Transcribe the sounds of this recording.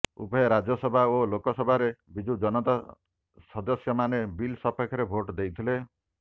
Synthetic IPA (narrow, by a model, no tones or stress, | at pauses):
ṵpɔeɾad͡ʒjɔsɔbʱaolokɔsɔbʱaɾebid͡ʒud͡ʒɔnɔt̪a | sɔd̪ɔsjɔmanebilsɔpʰɔkʰɔɾebʱoʈd̪ejt̪ʰile